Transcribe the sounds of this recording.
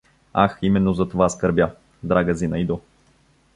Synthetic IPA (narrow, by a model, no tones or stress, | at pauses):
a̰ximɛnːozɐt̪ovaskəɾbʲja | d̪ɾaɡəzinɐid̪o